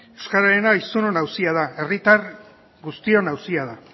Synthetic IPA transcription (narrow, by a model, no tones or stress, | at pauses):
ewskaɾaɾe̞naisuno̞nawsiað̞ae̞rit̪ar | ɡust̪io̞nawsiað̞a